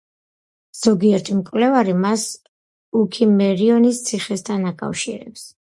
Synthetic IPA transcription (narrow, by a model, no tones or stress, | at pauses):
z̥ɔɡiɛɾt̪ʰimkʼwlɛvaɾimas | ukʰimɛɾiɔnist̪sʰiχɛst̪ʰanakʼa̰fʃḭɾɛ̰ps